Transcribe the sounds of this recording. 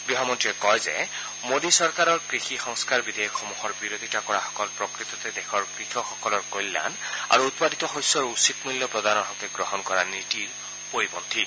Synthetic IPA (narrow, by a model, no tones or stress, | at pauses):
biɦamɔntɹiɛkɔjzɛ̰ | modisɔɹkaɹɔɹkɹixixɔŋskaɹbid̪ʱejɔkʰːɔmuhɔɹbiɹod̪ʱitakɔɹaxɔ̥kɔlpɹɔkɹit̪ɔtɛdɛkʰɔɹkɹixʰɔxɔkɔlɔɹkojlːa̰na̰ɹuːt̪̚padʱit̪ɔxojsɔɹusitmuljɔpɹɔd̪ʱanɔɦɔkɛɡɹɔɦɔnkɔɹanitiɹ | poɹibɔnt̪ʰi